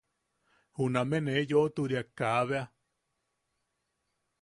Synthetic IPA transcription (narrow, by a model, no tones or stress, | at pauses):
hunãmẽnejoʔt̪uɾiakaβea